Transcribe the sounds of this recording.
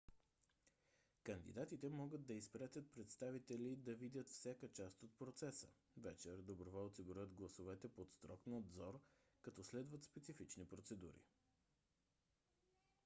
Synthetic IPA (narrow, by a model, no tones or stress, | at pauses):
kənd̪ḭd̪at̪it̪ɛmɔɡəd̪ːɐispɾat̪ʲət̪̚pɾɛt̪st̪avit̪ɛlid̪ɐvid̪ʲət̪fsʲjakət͡ʃast̪ot̪̚pɾot̪sɛsə | vɛt͡ʃɛɾd̪obɾovaot̪siɡuɾət̪ɡlˠɐsovɛt̪ɛpot̪st̪ɾɔknɐd̪zɔɾ | kɐt̪ɔslɛd̪vət̪spɛt̪sifit͡ʃnipɾot̪sɛd̪ṵɾḭ